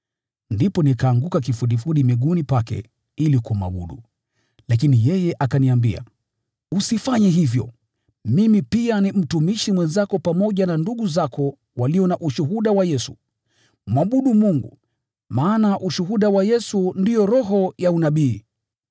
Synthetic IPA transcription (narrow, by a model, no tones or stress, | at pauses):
ndipɔnikaːŋɡukak̬ifuɗifuɗimiɠunipakɛ̰ | ilikumwa̰ɓṵɗu | lakinijɛjɛʔakaniambia̰ | usifaɲɛɦivjɔ̰ | mimipianim̩tumiʃimwɛnzakɔpamɔʄananduɠuzakʰɔ | waliɔnaʔuʃuɦuɗawajɛsu̥ | mwaɓuɗumuŋɡṵ | maːnaʔuʃuɦuɗawajɛsundijɔɾɔɦɔjaunaɓiː